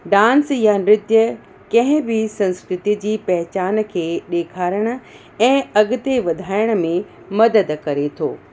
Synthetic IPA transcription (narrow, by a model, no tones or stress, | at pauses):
ɖãːnsjanɾɪt̪jə | kɐ̃ɦɪ̃bɪsɐ̃nskɾɪt̪id͡ʑiːpɐɦɪt͡ɕaːn̆kʰeːɗeːkʰaːɾəɽ̃ə̆ | ɛ̃ːɐɠʊt̪eʋɐd̪ʱaːɪɽ̃ə̆mẽ | mɐd̪əd̪kɐɾet̪ʰo̰ː